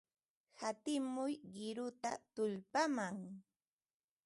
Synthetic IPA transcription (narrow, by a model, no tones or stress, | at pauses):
hat̪ɪmʊjɢɪɾʊt̪a̰t̪ʊʎpamaŋ